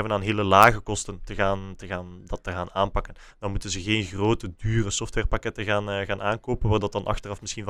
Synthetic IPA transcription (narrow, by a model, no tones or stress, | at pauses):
ɛbənaːnɦeːləlaːɣəkɔstəntəɣaːntəɣaːndɑtːəɣaːnaːnpɑkən | d̥ɑnmutənzəɣeːnɣroːtədyːrəsɔftwɛrpakɛtəɣaːnɣaːnaːnkoːpənʋaːrdɑt̚dɑnʔɑ̰xtərɑfmɪsxinv